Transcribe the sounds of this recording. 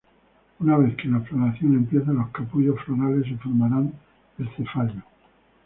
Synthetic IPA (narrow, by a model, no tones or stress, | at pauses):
unaβe̞θkelaflonaθjo̞ne̞mpje̞θalo̞hkapuʝo̞sfloɾale̞sefoɾmaɾan | est̪efaʎo